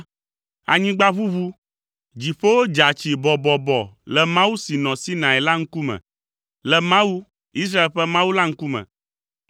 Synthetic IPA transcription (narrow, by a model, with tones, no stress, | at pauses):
a̰˨ɲĩ˦ɡ͡ba˦βu˦βu˦ | d͡ʑi˨ɸe˦wo˦d͡ʒa˨t͡ɕi˨bɔ˨bɔ˨bɔ˨lɛ˨mã˦wu˦si˨nɔ̃˨si˦nã˨ɛ˨la˦ŋ̩˦ku˦mɛ̰̃˨ | lɛ˨mã˦wu˦ | i˦s̬ɾa˦e˨lɸɛ˦mã˦wu˦la˦ŋ̩˦ku˦mɛ̰̃˨